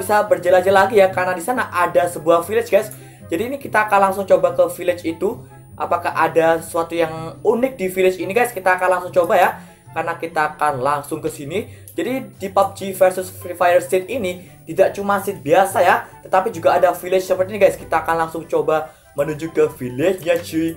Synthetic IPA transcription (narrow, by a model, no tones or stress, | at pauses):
bisabərd͡ʒəlad͡ʒalaɡijakarnadisanaʔadasəbuahfilɪt͡ʃɡajs | d͡ʒadiːnikit̪aːkanlaŋsʊŋt͡ʃobakəfilɪt͡ʃit̪u | ʔapakahʔadasuat̪ujaŋunɪk̚difilɪt͡ʃiniɡajskit̪aːkanlaŋsʊŋt͡ʃobaja | karnakit̪aːkanlaŋsʊŋkəsini | d͡ʒadidipap̚d͡ʒifərsʊsifajərst̪et̪̚ini | t̪idaʔt͡ʃumasɪt̪̚biasajat̪ət̪apid͡ʒuɡaːdafilɪt͡ʃsəpərt̪iniɡajskit̪aːkanlaŋsʊŋt͡ʃoba | mənuɲd͡ʒukəfilɪt͡ʃɲad͡ʒi